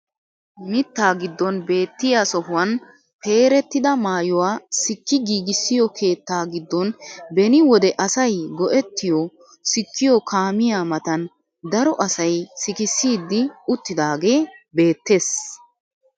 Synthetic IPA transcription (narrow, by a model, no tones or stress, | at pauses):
mɪt̪ːaːɡɪd̪ːɔnbe̞ːt̪ːɪjaːsɔhʊwɐn | pe̞ːɾɛt̪ːɪd̪ɐmaːjʊwaːsɪkːɪɡiːɡɪsːɪjɔkʰe̞ːt̪ːaːɡɪd̪ːɔnbɛnɪwɔd̪ɛʔɐsɐjɡɔʔɛt̪ːɪjɔ | sɪkːɪjɔkʰaːmɪjaːmɐt̪ɐn | d̪ɐɾɔʔɐsɐjsɪkɪsːiːd̪ːɪʊt̪ːɪd̪aːɡe̞ːbe̞ːt̪ːe̞ːs